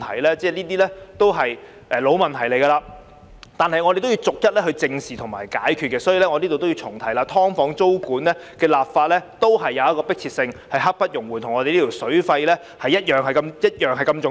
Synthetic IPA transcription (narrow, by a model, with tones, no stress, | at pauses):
t̪ʰɐ˨˩jlɛː˥t͡sɛː˥liː˥t̪iː˥lɛː˥t̪o˥wɦɐ˨j | ʔɛː˨˩lo˨˧wmɐ˨˩nt̪ʰɐ˨˩jle˨˩jɡɐː˧laː˧ | t̪aː˨nhɐ˨jŋɔː˨˧ɾe˨jt̪o˥wji˧wt͡sʊ˨k̚jɐ˥t̚lɛ˥hɵ˧t͡sɪ˧ŋsiː˨t̪ʰʊ˨˩ŋma̰ː˨˩jkaː˨˥jkʰy˧t̚kɛː˧sɔː˨˥jiː˨˧lɛ˥ŋɔ˨˧liː˥t̪o˨t̪o˥wi˧wt͡sʰʊ˨˩ŋt̪ʰɐ˨˩jlaː˧t̪ʰɔː˥ŋfɔː˨˧˥ŋt͡so˥wkuː˨˥nlɛː˥kɛː˧laː˨p̚faː˧t̚lɛː˥t̪o˥wɦɐ˨jːɐ˨˧wjɐ˥kɔː˧pɪ˥k̚t͡sʰiː˧t̚sɪ˧ŋhɐ˨jɦɐ˥k̚pɐ˥t̚jʊ˨˩ŋwuː˨˩nt̪ʰʊ˨˩ŋɔː˨˧te˨jli˥tʰi˨˩wsɵ˨˥ɥfɐ˧jlɛː˥ | hɐ˨jɐ˥t̚jœː˨ŋhɐ˨jkɐ˧mjɐ˥t̚jœː˨ŋɦɐ˨jkɐ˧mt͡sʊ˨